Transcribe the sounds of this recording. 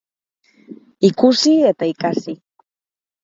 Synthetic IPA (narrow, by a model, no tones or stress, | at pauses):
ikusiet̪ajkʼasi